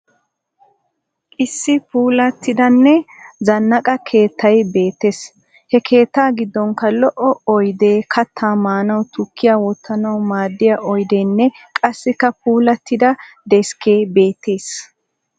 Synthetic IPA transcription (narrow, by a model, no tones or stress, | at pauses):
ʔɪsːɪpuːlɐt̪ːɪd̪ɐnːɛzɐnːɐkʼɐkʰe̞ːt̪ʰːɐjbe̞ːt̪ːes | hɛkʰe̞ːt̪ːaːɡɪd̪ːɔŋkːɐlɔʔɔɔjd̪eːkʰɐt̪ʰːaːmaːnɐwt̪ʊkʰːɪjaːwɔt̪ːɐnɐwʊmaːd̪ːɪjaʔɔjd̪eːnːɛkʼɐsːɪkːɐpuːlɐt̪ːɪd̪ɐ | d̪ɛske̞ːbeːt̪ːeːs